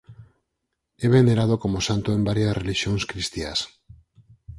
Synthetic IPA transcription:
eβeneɾað̞okomosant̪oembaɾjasreliʃjoŋskɾist̪ia̰s

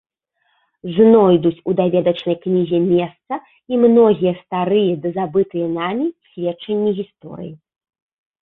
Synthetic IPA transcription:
znɔjd̪ut͡sʲud̪avʲɛd̪ɐt͡ʂnɐjknʲizʲɛmʲɛst̪sɐ | imnɔɣʲijɐst̪aɾɨjɛd̪ɐzabɨt̪ɨjɐnamʲisʲvʲɛtt͡ʂɐnʲːiɣʲist̪ɔ̰ɾɨ̰ji

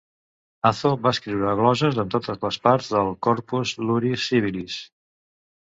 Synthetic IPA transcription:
aθoβaəskɾiwɾəɣlɔʒəzðəmt̪ot̪əzləspaɾzðəlˠkɔɾpuzluɾisiβilis

